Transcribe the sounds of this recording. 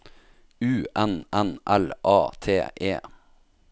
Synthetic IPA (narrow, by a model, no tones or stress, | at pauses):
ʉːʔɛnʔɛnʔɛlʔɑːt̪ʰḛːʔeː